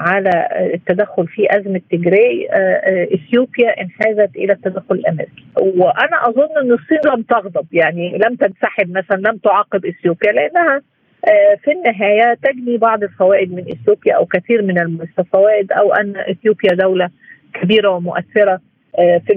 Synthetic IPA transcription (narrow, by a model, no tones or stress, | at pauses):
ʕalæt̪ːæd̪æxːolfiʔæzmæt̪ːeɡɾeʕ | ʔɪθjoːpjæʔɪnħaːzæt̪ʔɪ̰læt̪ːæd̪æxːʊlɪlʔæmḛɾiki̥weʔænæʔɑzˤonːʔenːesˤːiːnlæmt̪ɑɣd̪ˤɑbjaʕnilæmt̪ænsaħeb̚mæsælænlæmt̪oʕɑqːebʔɪsjoːpjæleʔenːæhæ | finːɪɦæːjæt̪æɡnibɑʕd̪ˤelfæwæːʔɪd̪menʔɪ̰sjoːpjæʔæ̰wkæθiːɾmɪnælmosæfæwæːʔɪd̪ʔæ̰wʔæ̰nːʔɪθjoːpjæd̪æwlæ | kæbiːɾæwemoʔæθːeɾæ | fi